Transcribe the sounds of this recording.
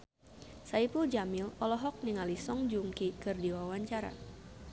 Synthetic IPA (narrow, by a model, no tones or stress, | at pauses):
saipuld͡ʒamilɔlɔɦɔk̚niŋalisɔŋd͡ʒuŋkikɨrdiwawaɲt͡ʃaɾa̰